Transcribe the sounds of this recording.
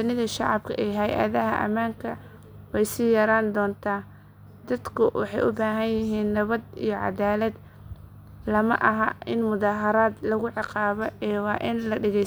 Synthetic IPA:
ʊnɪðɐʃɑʕɑbkʰɐʔɛːɦɐjʔɐ̰ðɐɦɐ̰ʔɐ̰maːŋkʰɐ | wɛjsiːjɐɾaːnd̪ɔːnt̪ʰaː | d̪̥ɐd̪kʰʊwɑħɑjʔʊbaːɦɐnjɪɦiːnːɐβɐd̪ijɞʕɑ̰d̪aːlɐd̪ | lɐmɐ̰ʔɐɦɐɪnmʊðaːɦɐɾaːd̪lɐɣʊʕɪqɑːβɔɛːwɑːʔɪnlɐɖɛɣɛj

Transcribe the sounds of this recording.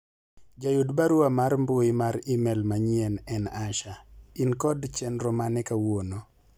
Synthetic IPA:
d͡ʒajudbaɾuamaɾmboimaɾimɛlmaɲɛnɛnaʃainkɔdt͡ʃɛnɾɔmanɛkawono

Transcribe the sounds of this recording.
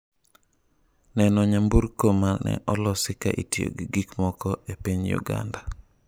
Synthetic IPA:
nɛnɔɲambuɾkomalnɛ̰ʔɔlɔsɪkaʔitio̰ɡiɡikmɔkɔepiɲjṵɡa̰nda

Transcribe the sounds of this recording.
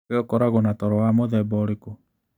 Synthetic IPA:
eɔkɔɾaɣɔnatɔɾɔwamoðɛbɔɾeku

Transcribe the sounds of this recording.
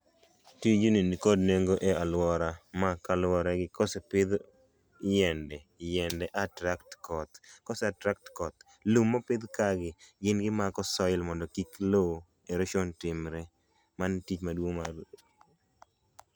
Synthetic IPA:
tid͡ʒuninkodneŋɡoʔealwɔɾamakalwɔɾaɡɪkɔsɛpɪd̪ | jɛndɛ | jɛndɛʔatɾaktkɔt̪kɔsɛatɾak̚tkɔt̪ | lumːɔpɪd̪kaɡɪɡɪnɡɪmakɔsɔɪlmɔndɔkiklo | eɾoʃontɪmɾɛ | mantit͡ʃmadwoŋma

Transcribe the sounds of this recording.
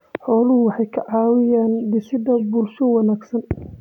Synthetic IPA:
ħɔːlʊɦʊwɑħɑjkʰɐʕɑːwɪjaːnd̪ɪsɪd̪ɐbuːlʃɔwɑnaːɡsɐn

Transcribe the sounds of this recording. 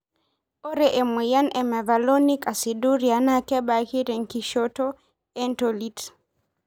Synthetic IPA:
ɔɾɛʔɛmujanɛmɛvalonikʼasiduɾianakɛɓakiɾɛŋkiʃɔtɔ | ɛntolit

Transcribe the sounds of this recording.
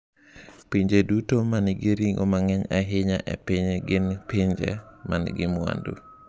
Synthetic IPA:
piɲd͡ʒedutomanɡiɾiŋɔ̰maŋɛɲaɦiɲaʔɛ̰piɲɡinpiɲd͡ʒḛmanɡimua̰ndṵ

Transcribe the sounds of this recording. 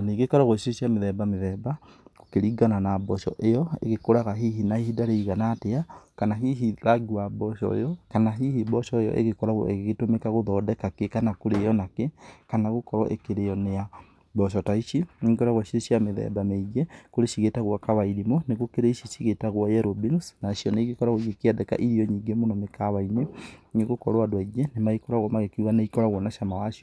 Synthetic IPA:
niɡekɔɾaɣoʃiɾeʃjameðɛbameðɛba | kokeɾiɡananabɔʃɔ̰ʔejɔḛɣekoɾaɣaɦiɦinaihidaɾeiɣanateakanaɦiɦilaɡiwabɔʃɔ̰ḛjɔkanaɦihibɔʃɔejɔ̰ʔḛɣekɔɾaɣwa̰eɣɣetomekaɣoðɔːdɛkakekanakoɾejɔnakekanaɣokɔɾɔ̰ʔḛkeɾejɔnea | bɔʃ̬ɔtaiʃiɲikɔɾaɣwaʃioʃiameðɛ̰ðameiɣɛkoɾeʃiɣetaɣwakaβaiɾimoneɣokeɾeiʃiʃiɣetaɣwɔjɛɾobinsnaʃiɔneiɣekɔɾaɣoiɣekeɛdɛka̰ʔiɾiɔɲiŋɡemonɔmekaβaineneɣokɔɾoadwaiɣɛnemaikɔɾaɣwɔmaɣekiwaneikɔɾaɣwɔnaʃamawaʃiɔ

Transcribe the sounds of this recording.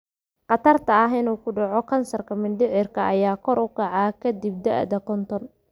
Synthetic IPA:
qɑt̪ʰɐrt̪ʰɐɐɦɪnuːkʰʊɖɑʕɔkʰɐnsɐrkʰɐmɪnd̪ɪʕɪrkʰɐʔɐjaːkʰɔɾʊkʰɑʕɑːkʰɐd̪ib̚d̪ɛʔd̪ɐkʰɔnt̪ʰɔn

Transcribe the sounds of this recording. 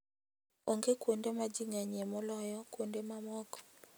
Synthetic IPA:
oŋɡekwondemad͡ʒiŋaɲɛmɔlɔjɔkwondemamɔkɔ̥

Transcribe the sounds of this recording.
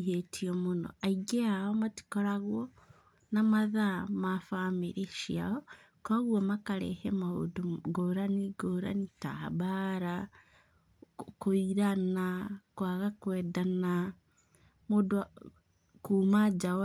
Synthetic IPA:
iɦetʰiɔmonɔ̰aiɡɛaɔmati̥kɔɾaɣwɔ | namaðamafameɾeʃia̰ɔ | kwaɣwɔmakaɾɛ̰hɛmaho̰doɡoɾaniɡoːɾa̰nita̰baɾa | koiɾanakwaɣakwɛːdana | modo | kuːmad͡ʒa

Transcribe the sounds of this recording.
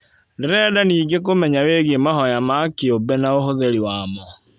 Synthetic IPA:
ndeɾɛdaniːɡek̬omɛɲaweɣemaɦɔjamakeobɛnaoɦoðeɾiwamɔ

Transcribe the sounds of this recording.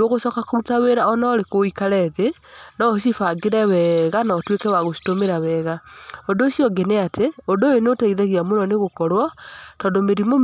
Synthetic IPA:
oɣosɔkakoɾutaweɾaɔnaɔɾekoikaɾɛðenaoʃ̬ifaɡeɾɛwɛɣanaɔtwekɛwaɣosi̥tomeɾawɛɣaondosjɔɡeneatʰeondojonotaiðɛɣiamonɔneɣokɔɾwatɔːndomeɾimo

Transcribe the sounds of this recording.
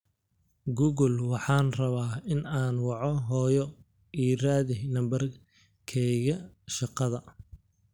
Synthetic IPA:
ɡuːɣʊlwɑħɑːnrɐβaːɪnaːnwɑʕɔɦɔːjɔ | iːraːðɪnɐmbɐr | kʰɛjɣɐʃɑqɑðɐ

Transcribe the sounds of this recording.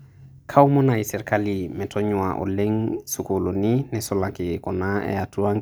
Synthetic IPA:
kʰaumɔnaisɛɾkalimɛtʰɔɲʊaʔo̰leŋsukoloninɛsɔlakɪkɔnaɛ̰atuaŋ

